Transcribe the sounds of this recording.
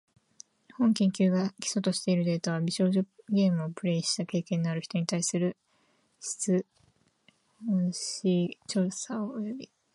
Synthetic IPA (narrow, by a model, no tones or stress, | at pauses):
hõ̞ŋkʲẽ̞ŋkʲɨːɡakʲi̥so̞t̪o̞ɕi̥t̪e̞iɾɯ̟d̪e̞ːt̪aβ̞abʲiɕo̞ːʑoɡe̞ːmɯ̟opɯ̟ɾe̞iɕi̥t̪ake̞ːkẽ̞ɲ̟d̪eaɾɯ̟çi̥t̪o̞ɲ̟it̪aisɨɾɯ̟ | ɕi̥t͡sɨ | hõɕit͡ɕo̞ːsaoːjo̞bʲi